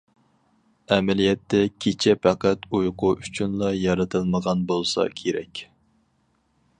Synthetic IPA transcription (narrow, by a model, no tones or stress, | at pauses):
ɛmɛlijɛt̪ʰːɛkʲʰet͡ʃʰɛpæqæt̪ujqʰʊʔyt͡ʃʰynlˠɑjɑɾɨt̪ʰɨlˠməʁɑnbolˠsɑ̰kʲʰeɾɛ̰kʲ